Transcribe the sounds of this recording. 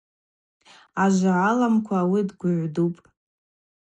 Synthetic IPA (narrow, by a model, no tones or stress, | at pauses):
aʒʷaʕalamkʷʰawidɡʷʊʕʷdupʼ